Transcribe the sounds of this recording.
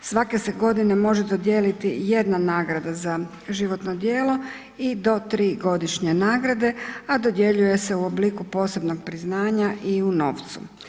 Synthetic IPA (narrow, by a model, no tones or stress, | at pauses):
sʋake̞seɡo̞d̪inemo̞ʒed̪od̪jeːlit̪ije̞d̪nanaːɡɾad̪aza | ʒiʋo̞t̪nod̪jeːlˠo̞ | id̪o̞t̪ɾiːɡo̞d̪iʃɲe̞naːɡɾad̪e̞ad̪o̞d̪je̞ʎuje̞se̞uo̞bliːkupo̞ːse̞bnoɡ̚pɾiznaːɲaʔiuno̞̰ːft̪sṵ